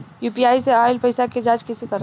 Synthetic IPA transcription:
juːpiaːiseaːɪlpəɪsaked͡ʒaːd͡ʒkɪsikəɾ

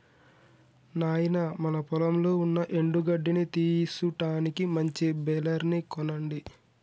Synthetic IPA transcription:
naːjinɐmɐnɐpɔlɐmlo̞ːunːɐʔeɳɖuɡɐɖːinit̪iːsuʈaːnikimɐɲt͡ʃibɛlɐɾnikɔnɐɳɖi

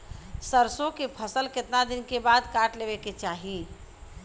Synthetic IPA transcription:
səɾsõkepʰəsəlket̪nad̪inkebad̪kaʈlebeket͡ʃaɦi

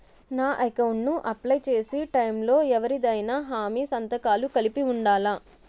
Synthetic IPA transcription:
naːʔɐjkɐwɳʈnuʔɐplɐjt͡ʃe̞ːsiʈɐjmlo̞ːɛʋɐɾid̪ɐjnaɦaːmiːsɐnt̪ɐkaːlukɐlipiuɳɖaːlaː

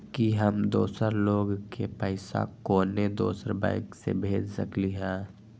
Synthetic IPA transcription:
kiɦəmd̪oːsəɾloːɡkepəɪsa̰koːned̪o̰ːsəɾba̰ɪksḛbʱeːd͡ʒsə̰kliɦɛ̃ː

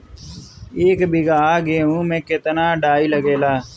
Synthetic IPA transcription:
eːkbɪɡaːɡẽːũːmẽːkɪt̪naːɖaːiːləɡeːlaː

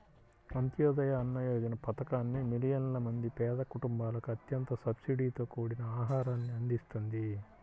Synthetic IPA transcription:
ɐnt̪jɔːd̪ɐjɐːnːɐjɔːd͡ʒɐnɐpɐt̪ɐkaːnːimilijɐnlɐmɐnd̪ipɛːd̪ɐkuʈumbaːlɐkuɐt̪jɐnt̪ɐsɐbsiɖiːt̪o̞ːkuːɽinɐaːɦaːɾaːnːiɐnd̪ist̪und̪i

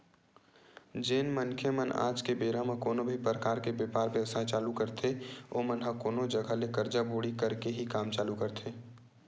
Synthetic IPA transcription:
d͡ʒeːnmənkʰeməna̰ːd͡ʒkebeːɾamẽkoːnobʱipɾəkaːɾkebjepaːɾbəəsat͡ʃaːlukɐɾt̪ʰeoːmənɦɐkoːnod͡ʒɐɡʱalekɐɾd͡ʒaboːɽikɐɾkeɦikaːmt͡ʃaːlukɐɾt̪ʰeː

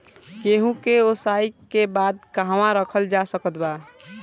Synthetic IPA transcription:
keɦũkeosaikebad̪kəɦwãɾəkʰəld͡ʒasəkət̪ba

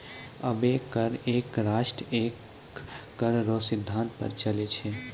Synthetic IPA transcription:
əbekəɾeːkɾaːʃʈɾekː | əɾɾosid̪ʱːãnt̪̚pə̰ɾt͡ʃəlet͡ʃʰɛ

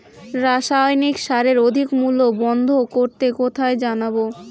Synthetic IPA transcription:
ɾaʃajnikʃaɾeɾod̪ʱikmulobɔnd̪ʱokoɾt̪ekot̪ʰaed͡ʑanabo

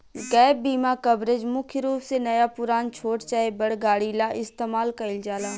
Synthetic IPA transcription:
ɡɛːbiːmakɐbɾeːd͡ʒmʊkʰjɾuːpsenɐjapʊɾaːnt͡ʃʰoːʈt͡ʃaːebɐɽɡaːɽilaʔɪst̪eːmaːlkɐɪld͡ʒaːlaː

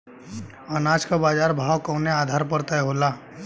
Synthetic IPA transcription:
ənaːd͡ʒkabaːd͡ʒaːɾbʱaːwkɔ̃ːneaːd̪ʱaːɾpəɾt̪aɛɦoːlaː

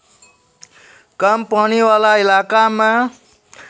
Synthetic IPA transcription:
kʌmpʌniwalailakama

